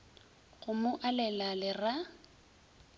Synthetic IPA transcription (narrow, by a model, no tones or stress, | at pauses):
ɣʊmʊʔalɛlalɪra